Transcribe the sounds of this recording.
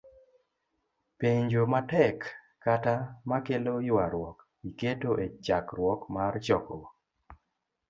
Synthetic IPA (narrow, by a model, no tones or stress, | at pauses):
peɲd͡ʒomatɛkː | atamakelojʊaɾwɔk | iketoʔet͡ʃakɾwɔkmart͡ʃɔkɔ